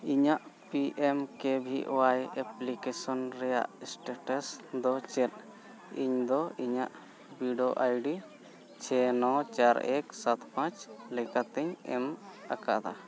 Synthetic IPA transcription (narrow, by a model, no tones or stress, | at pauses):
iɲaʔ | piʔemkebʱḭʔɔ̰wajɛplikɛsɔnɾɛja̰ʔsʈeʈasd̪ɔt͡ʃɛt̪̚ | iɲd̪ɔiɲa̰ʔ | biɖoʔajɖi | t͡ʃʰɛnɔt͡ʃaɾɛksat̪pãt͡ʃlɛkat̪ɛɲɛ̰maka̰ʔd̪a